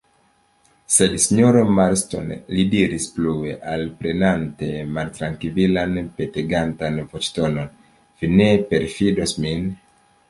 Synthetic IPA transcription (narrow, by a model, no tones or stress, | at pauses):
se̞dsiɲoɾomaɾsto̞̰nlidiɾisplueʔalpɾenante̞maltɾaŋkililanpeteɡantanvot͡ʃto̞no̞n | vine̞pe̞ɾfidosmin